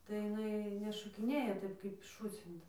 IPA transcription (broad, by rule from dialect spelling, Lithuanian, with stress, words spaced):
tɐɪ jɪˈnɐɪ nʲɛʃoːkʲɪˈnʲeːjɛ ˈtɐɪp kɐɪp ˈʃuːt͡sʲɪntɐ